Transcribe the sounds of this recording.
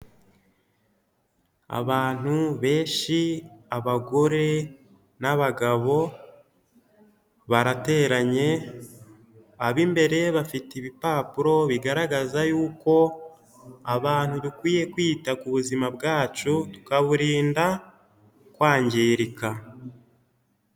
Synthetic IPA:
a̰βaːn̥huβe̞ːʃiaβaɡo̞ɾe̞ | naβaɡaβo̞ | βaɾate̞ːɾaɲe̞ | aβimbe̞ɾe̞βafitiβipaːpuɾo̞βiɡaɾaɡazajuːko̞ | aβaːn̥hudukwiːje̞kwiːtakuβuzimabɡaːt͡ʃutu̥kaβuɾiːnda | kwaːɲɟeːɾika

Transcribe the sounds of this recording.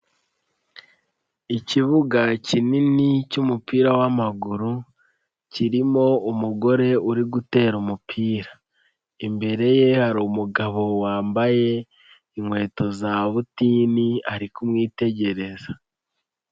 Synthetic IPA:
iciβuɡacininicumupiːɾawamaɡuɾu | ciɾimo̞umuɡo̞ɾe̞uɾiɡute̞ːɾumupʰiːɾa | imbe̞ɾe̞je̞haɾuːmuɡaβo̞waːmbaje̞ | iŋwe̞ːto̞zaβutiːniaɾikumŋiːte̞ɟe̞ɾe̞za

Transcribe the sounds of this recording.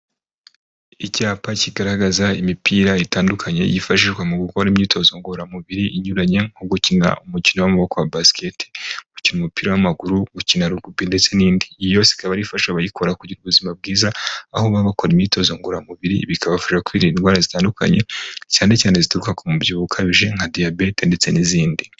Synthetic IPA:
icaːpaciɡaɾaɡazaimipiːɾaitaːndukʰaɲe̞̰jifaʃ̬iʒɡwamuɡuko̞ɾimɲiːtʰo̞zo̞ŋɡoɾamuβiɾiʔiɲuɾaɲe̞ŋ̥oɡucina̰umucinowomuβo̞ko̞wabasketi̥ɡucinumupiːɾawamaɡuɾuɡucinaɾuɾɡubinde̞t͡se̞niːndijo̞ːsi̥kaβaɾifaʃaβajikʰo̞ɾakuɟiɾuβuzimab̚ɡiːzaːhoβaβako̞ɾimɲiːtʰo̞zoŋɡoɾamuβiɾḭβikʰaβavuʒakwiɾinwaːɾazitaːndukʰa̰ɲe̞caːne̞caːne̞zituɾukakomubjuːβukʰaβiʒe̞ŋhadiabetende̞t͡se̞niziːndi

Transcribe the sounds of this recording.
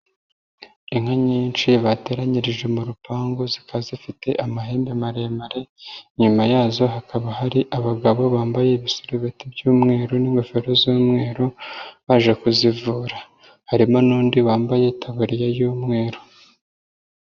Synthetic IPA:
iŋ̥haɲiːnt͡ʃiβate̞ːɾaɲiɾiʒwemuɾupaːŋɡozikazifite̞ʔamaɦe̞ːmbemaɾemaɾe̞ɲumajaːzo̞ɦakaβahaɾiʔaβaɡaβo̞βaːmbaje̞βisuɾuβetibjuːmŋe̞ːɾoniŋɡo̞fe̞ɾozuːmŋe̞ːɾoβaʒekuzivuːɾa | haɾimo̞nuːndiβaːmbaje̞tʰaβuɾijajuːmŋe̞ːɾo

